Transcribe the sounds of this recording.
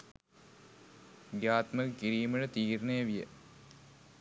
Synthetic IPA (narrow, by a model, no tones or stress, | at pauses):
ɡjaːt̪məkkiɾiːmələt̪iːɾnejəʋijə̰